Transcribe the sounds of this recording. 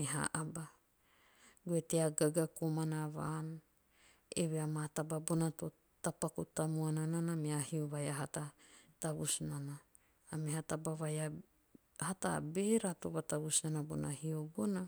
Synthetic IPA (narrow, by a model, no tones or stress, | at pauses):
eɦa̰ʔaba | ɡueteaɡaɡakomanaβa̰n | ḛβeamatababonato | tapakutamuanananameahioβajaɦatataβusnanaː | mehatabaβaja | hata̰be̞ɾatoβataβusnanabo̰nahiobona